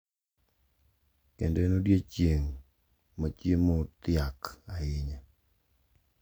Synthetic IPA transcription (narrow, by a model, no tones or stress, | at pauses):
kendenodjet͡ʃjeŋ | mat͡ʃjemot̪ɪakaɪɲa